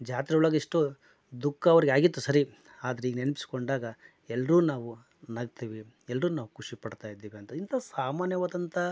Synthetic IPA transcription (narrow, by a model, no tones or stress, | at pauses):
d͡ʒaːt̪id̪ɐuɭɐɡɐiʂʈu | d̪ukʰːɐɐʋɐɾiɡeaːɡit̪ːusɐɾi | aːd̪ɐɾeiːɡenenpi̥si̥ko̞ɳɖaːɡɐ | ɛlːɐɾuːnaːʋu | nɐɡ̚t̪iːʋi | ɛlːɐɾuːnaːʋukʰuʂipɐɽt̪aːjid̪ːiːʋiɐnt̪ɐint̪ʰɐsaːmaːnjɐʋɐd̪ɐnt̪ʰɐ